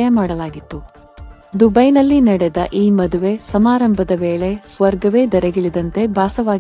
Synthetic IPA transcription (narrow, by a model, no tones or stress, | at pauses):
jɐmaːɽɐlaːɡit̪ːu | d̪ubɐjnɐlːinɐɽɛd̪ɐʔiːmɐd̪uʋe̞sɐmaːɾɐmbʱɐd̪ɐʋe̞ːɭe̞sʋɐɾɡɐʋe̞ːd̪ɐɾeɡiɭid̪ɐnt̪e̞bʱaːsɐʋaː